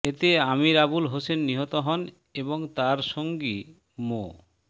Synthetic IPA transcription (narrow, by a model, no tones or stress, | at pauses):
et̪eamiɾabulɦosenːiɦɔt̪oɦɔn | eboŋt̪aɾʃoŋɡi | mo̰